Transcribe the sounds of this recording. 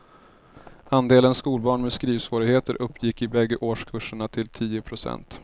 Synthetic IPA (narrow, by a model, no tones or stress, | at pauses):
and̪eːlənskuːlbɑːɳmɛskɾiːvsvoːɾɪɡheːt̪əɾʔɵpːjɪkːɪbɛɡːəʔoːʂkʰɵʂəɳat̪ʰɪlt̪ʰiːʊpʰɾʊsɛ̰nt̪